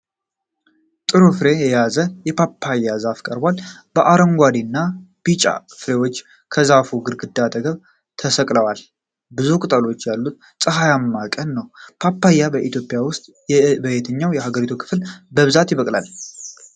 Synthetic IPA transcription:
t̪ʼɨɾofɨɾe̞jɛjazəjɛpʰapʰːajːazafkʼəɾbalb̥əʔaɾəŋɡʷad̪inːab̥it͡ʃʼa̰fɨɾe̞wo̞t͡ʃː | kʰəzafuɡɨɾɡɨd̪ːat̪ʼəɡəβ | t̪ʰəsəkʼləwal | bɨzukʼɨt̪ʼəlo̞t͡ʃːjalːut̪̚ | sʼɨɦajamːakʼənːəwpʰapʰːajːabəʔit̪ʰjo̞pʼːjawʊst̪ʼ | bəjet̪ʰəɲːawjɛhaɡəɾit̪ʰukʰɨ̥flbəβɨzat̪jɪβəkʼla̰l

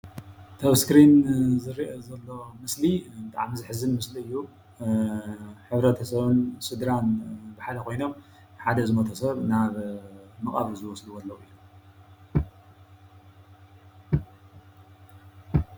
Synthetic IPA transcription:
t̪ʰɐβskɾinzɨɾiʔozɐlːo̞mɨslibɨt̪ʼa̰ʕamizɨħɨzɨnmɨsliɨjːu | ħɨβɾɐt̪ʰɐsɐβɨnsɨd̪ɾanbɨħalɐkʰo̞jno̞m | ħad̪ɐzɨmɐt̪ʰɐsɐβnaβmɨχʼa̰βzɨwɔsluwɐlːɐwɨjːu

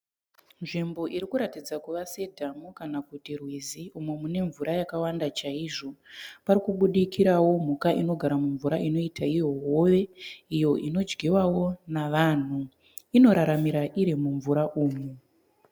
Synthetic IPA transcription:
nʐimbo̞ʔiɾikuɾatid͡zakuʋase̞dʱamukanakutirwiziumwemune̞ɱvuɾajakawandat͡ʃaiʐo̞paɾikuɓuɗikʰiɾawo̞m̤ukaʔino̞ɡʱaɾamuɱvuɾaʔino̞itʰaijo̞woʋe̞ijo̞ʔino̞d͡ʒɡiwawo̞naʋaːn̤u | ino̞ɾaɾamiɾaʔiɾimuɱvuɾaʔuːmu

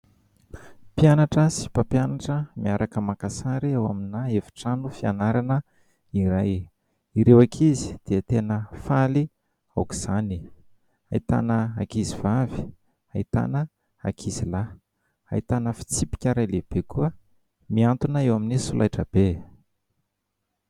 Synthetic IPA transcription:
pjanaʈ͡ʂəsi̥papjanaʈ͡ʂəmiaɾʔakəmakasaɾiewa̰minaevi̥ʈ͡ʂanufianaɾanə | iɾaj | iɾewakʰizi̥d̪̥eət̪enəfali | awku̥z̥ani | a̰it̪a̰nəa̰kizivavi̥ | ait̪a̰nə | a̰kʰizila | a̰it̪anəfi̥t͡sipi̥kʲəɾajleb̥ekuə | miant̪unəewaminisulʔajʈ͡ʂəb̥e

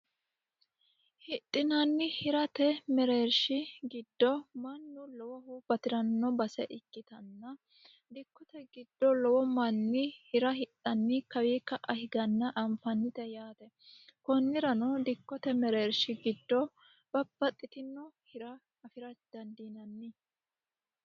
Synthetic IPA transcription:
hɪt̪ʼːɪnɐnːɪhɪɾɐt̪ɛmɛɾeːɾʃɪɡɪd̪ːɔmɐnːʊlɔwɐhub̥ɐt̪ɪɾɐnːɔbɐsɛʔɪkːɪt̪ɐnːɐ | d̪ɪkːɔt̪ɛɡɪd̪̥ːɔlɔwɔmɐnːɪhɪɾɐhɪtːɐnːɪkɐwiːkːɐʔɐhɪɡɐnːɐʔɐmfɐnːɪt̪ɛjaːt̪ɛkɔnːɪɾɐnɔd̪ɪkːɔt̪ɛmɛɾeːɾʃɪɡɪd̪ːɔ | b̥ɐbːɐt̪ʼːɪt̪ɪnːɔhɪɾɐ | ɐfɪɾɐd̪̥ɐnd̪iːnɐnːɪ

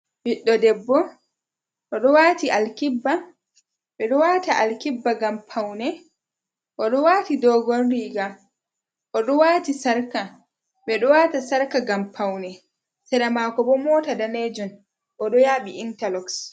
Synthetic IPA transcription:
wiɗːɔdɛbːɔ | ʔɔɗɔwaːtiʔalkibːa | ɓɛɗɔwaːtaʔalkibːaɡampʰawnɛ | ʔɔɗɔwaːtidɔːɡɔnɾiɡa | ʔɔɗɔwaːtisaɾka | ɓɛɗɔwaːtasaɾkaɡampʰawnɛ | sɛɗamaːkɔbɔmɔːtadaned͡ʒun | ʔɔɗɔjaːɓiʔintalɔks

